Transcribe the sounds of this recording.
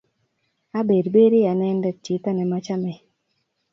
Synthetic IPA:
a˦be˨dbe˦ɾi˦a˨nɛ˦ndɛ˦t͡ʃi˨t̪a˦nɛ˨ma˦t͡ʃa˦mɛ˨

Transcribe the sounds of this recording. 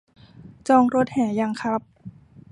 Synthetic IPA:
t͡ɕɔː˧ŋɾo˧˦˥t̪̚hɛː˩˦ja˧ŋkʰa˦˥p̚

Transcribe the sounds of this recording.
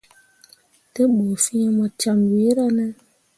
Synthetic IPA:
te˦ɓo˨fi˦e˦mɔ˨t͡ʃa˧mwi˨˦ɾa˦nɛ˦

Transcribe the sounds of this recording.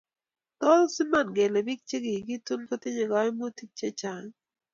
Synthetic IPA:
t̪ɔ˦lsɪ˦ma˦˨nɡe˨lɛ˨bi˦k̚t͡ʃe˦ɡi˨ɡi˦tu˦nko˦t̪ɪ˦ɲe˨ɡɔ˨˦mo˦ti˦k̚t͡ʃe˦t͡ʃa˨ŋ

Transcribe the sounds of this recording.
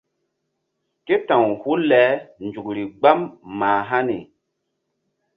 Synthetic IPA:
ke˦tã˨ŋhu˦lɛ˨˦nd͡ʒu˨k̚ɾi˨ɡ͡ba˦mːaː˨ɦa˦ni˨

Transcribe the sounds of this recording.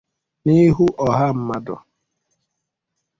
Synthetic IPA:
ni˦ɦu˦ʔɔ˨ɦa˦m̩˦ma˦dɔ̰˨

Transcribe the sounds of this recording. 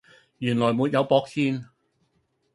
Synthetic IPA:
jyː˨˩nlɔː˨˩jmuː˨˧t̚jɐ˨˧wpɔː˧˥k̚siː˧n

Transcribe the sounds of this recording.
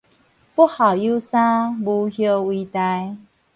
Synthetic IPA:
pu˦˥ha˨˩ʊju˥˦sã˦bu˧hjo˧wi˧t̪a˧j

